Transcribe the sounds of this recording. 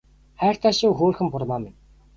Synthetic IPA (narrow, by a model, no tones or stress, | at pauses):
χæːr̥t̪ʰaːʃʊːxuːrxɘ̆mpʊrmaːmɪn